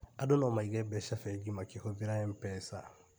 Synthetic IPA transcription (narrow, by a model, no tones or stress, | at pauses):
adonɔmaiɡɛbɛsafɛɡimakehobiɾaɛ̃mpɛːsa̰